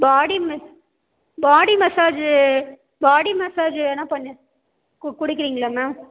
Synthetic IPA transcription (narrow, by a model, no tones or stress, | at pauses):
baːɽimɐ | baːɽimɐsaːd͡ʒɯ | baːɽimɐsaːd͡ʒɛnːɐpɐɳːɐ | kkʊɽɪkːɪɾiːŋɡɐɭɐmɛːm